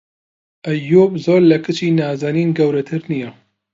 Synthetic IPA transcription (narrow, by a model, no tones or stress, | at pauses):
ʔɐjːoːbzoːɾlɐkʰɨt͡ʃiːnaːzaːniːnɡɐwɾɐt̪ʰɨɾnijɛ